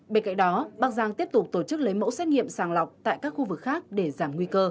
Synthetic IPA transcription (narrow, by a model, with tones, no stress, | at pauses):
ɓe˧nka̰˧˨ŋ̟ɗɔ˨˦ɓaː˨˩k̚zaː˧˩ŋt̪i˦˥əp̚t̪k͡p̚t̪o˧˩t͡ɕɨ˦˥k̚lə˨˦jmo̰˧˥sɛ˦˥t̚ŋḭ˧˨əmsaː˧˩ŋla˨˩wk͡p̚t̪a̰ː˧˨jkaː˦˥k̚xu˧vɨ˨˩k̚xaː˦˥k̚ɗe˧˩zaː˧˩mŋwi˧kəː˧